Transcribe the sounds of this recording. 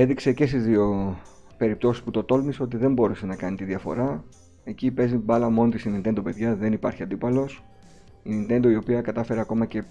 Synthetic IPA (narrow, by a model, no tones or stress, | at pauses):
e̞ðikse̞ce̞st̪izðio̞ | pe̞ɾip̚t̪o̞sisput̪o̞t̪o̞lmiso̞t̪̬iðe̞mbo̞ɾusenɐkɐnit̪iðɐfo̞̰ɾɐ | e̞cipe̞zibɐlɐmo̞not̪ist̪inint̪end̪o̞pe̞ðʝɐðe̞nipɐɾçiɐnd̪ipɐlo̞s | inint̪e̞nd̪o̞io̞piɐkɐt̪ɐfe̞ɾeɐko̞mɐce̞